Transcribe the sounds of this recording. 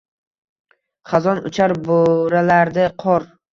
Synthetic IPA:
χɑzɒnʊ̰t͡ʃʰaɾboɾalaɾd̪ɪqʰɒɾ

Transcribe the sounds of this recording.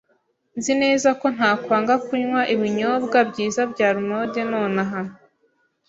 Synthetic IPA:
nzine̞ːzako̞n̥haːkwaːŋɡakuɲwaʔiβiɲobɡabɟiːzabɟaːɾumodeno̞ːnaɦano

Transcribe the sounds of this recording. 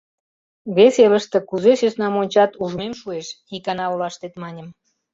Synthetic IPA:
βeseləʃt̪ĕkuzeʃesnɑmonʲt͡ɕɑt̪uʒmemʃueʃxikɑnɑulɑʃt̪et̪mɑnʲəm

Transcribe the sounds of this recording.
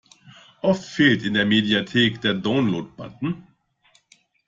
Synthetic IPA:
ʔɔftfeːltɪndeːɐmediatʰeːkd̥eːɐdaʊnloːt̚b̥a̰tn̩

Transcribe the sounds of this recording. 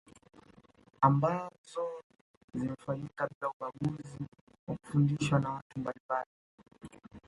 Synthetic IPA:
ambazɔ | zimɛfaɲikaɓilauɓaɠuzi | waku̥fundiʃwanawatumbalimbali

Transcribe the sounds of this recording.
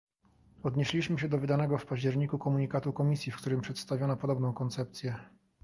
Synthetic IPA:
ɔd̪ɲeɕlʲiɕmɘɕɛd̪ɔvɘd̪anɛɡɔfpaʑd͡ʑɛɾɲikukɔmuɲikat̪ukɔmʲisʲjifkt̪uɾɘmpʂɛt̪st̪avʲɔnapɔd̪ɔbnɔ̃w̃kɔnt̪sɛp̚t̪sʲjɛ

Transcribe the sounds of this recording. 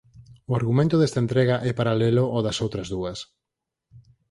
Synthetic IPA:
oaɾɣumẽnt̪ʊðest̪aent̪ɾeɣɐʔɛpaɾaleloʔɔðɐsowt̪ɾɐzðuɐs

